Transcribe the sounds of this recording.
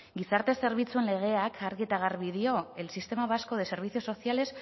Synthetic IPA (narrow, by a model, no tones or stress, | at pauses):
ɡisaɾt̪e̞se̞ɾβit͡sue̞nle̞ɣ̞e̞akʰaɾɣiet̪aɣaɾβiðio̞e̞lsist̪e̞maβasko̞ð̞e̞se̞ɾβ̞iθio̞so̞sjale̞s